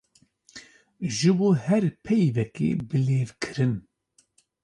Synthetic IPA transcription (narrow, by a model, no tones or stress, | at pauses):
ʒɨboːhɛɾpʰɛjvɛkḛːbɨleːvkʰɨɾɨn